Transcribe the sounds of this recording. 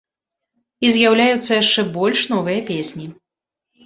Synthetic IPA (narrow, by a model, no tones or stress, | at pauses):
izʲjawlʲajut̪sːɐjaʂt͡ʂɛbɔlʲʂnɔvɨjɐpʲesʲnʲi